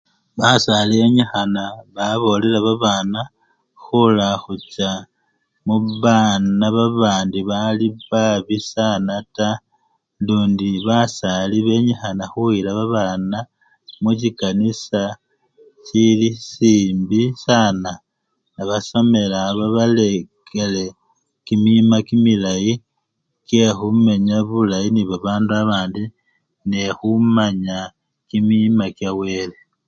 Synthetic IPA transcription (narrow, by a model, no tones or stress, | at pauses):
βasalieɲixanaβaβo̞le̞laβaβaːna | xulaxut͡ʃa | muβanaβaβaːndiβaliβaβisanata | nduːndiβasaliβe̞ɲixanaxuwilaβaβaːna | mucikanisa | cilisiːmbisana | naβaso̞me̞laβaβalekele̞ | kimimakimilaji | kje̞xume̞ɲaβulajiniβaβaːnduaβaːndi | nexumaɲa | kimimakjawe̞ːle̞